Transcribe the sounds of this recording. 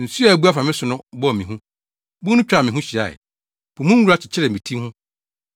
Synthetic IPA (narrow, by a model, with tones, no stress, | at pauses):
n̩˨su˦a˨bu˦a˦fa˨mɪ̃˦sʊ˨nʊ̃˦bɔ˦˨mĩ˨ɦũ˦ | bʊ˦nʊ̃˦t͡ɕᶣa˨mɪ̃˨ɦũ˦ɕi˨a̰˨ɛ̰˨ | b̥u˨mũ˦wu˦ɾa˦t͡ɕʰɪ̥˨t͡ɕʰɪ˦ɾɛ˨mĩ˨tʰĩ˦hʊ̃˦